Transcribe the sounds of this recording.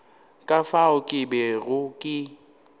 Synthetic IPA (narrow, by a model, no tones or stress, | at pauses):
kʼafaʊkʼɪbɛɣʊkʼɪ